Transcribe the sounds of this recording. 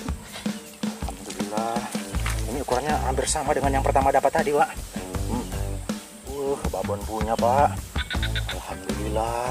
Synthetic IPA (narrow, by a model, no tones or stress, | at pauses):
alhamd̪ulilahimiukuɾanɲaɦambirsamadəŋanjaŋpərt̪amadapat̪ːadipaʔ̩m | wəhbabɔnpuɲapaʔ | alhamd̪ulila